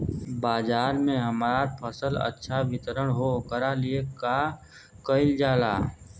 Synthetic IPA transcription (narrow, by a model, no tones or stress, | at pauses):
baːd͡ʒaːɾmẽɦəmɾapʰəsələ̰tːʃʰaʋɪt̪əɾəɽ̃ɦokəɾalieka | kəɪld͡ʒaːlaː